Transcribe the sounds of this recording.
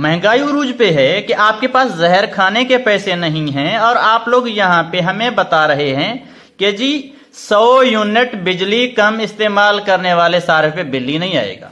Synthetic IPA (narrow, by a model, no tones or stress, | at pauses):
mɛɦɪ̃ŋɡaːiʊɾuːd͡ʒpeɦɛkiʔaːp̚kepaːszɛɦəɾkʰaːnekepɛːsenɐɦĩɦɛ̃ɔːɾaːploːɡjɐɦãpeɦɐmẽbɐt̪aɾɐɦeɦɛ̃ | ked͡ʒiː | səojuːnɪʈbɪd͡ʒlikɐmɪst̪eːmaːlkɐɾneʋaːlesaːɾpebɪlːinɐɦĩa̰ːḛːɡa̰ː